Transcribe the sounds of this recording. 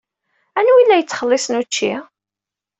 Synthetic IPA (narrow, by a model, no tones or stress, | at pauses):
ænuilːæjət͡sːχəlːɪsnut͡ʃːi